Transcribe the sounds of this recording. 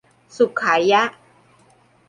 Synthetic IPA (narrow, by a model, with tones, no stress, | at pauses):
su˨˩kʰːaː˩˦ja˦˥ʔ